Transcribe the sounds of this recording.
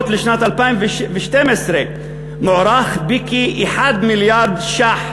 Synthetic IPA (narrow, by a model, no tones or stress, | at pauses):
t̪lɪʃnaːt̪alpaːmvɪʃvɪʃt̪eːmɪsɾe | mʊʕɾˤɑːxbikiʔɪħaːd̪mɪljɑːɾˤd̪ʃaːħ